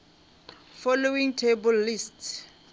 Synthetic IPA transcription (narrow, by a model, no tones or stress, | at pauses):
fɔlowĩŋtʰebɔlːists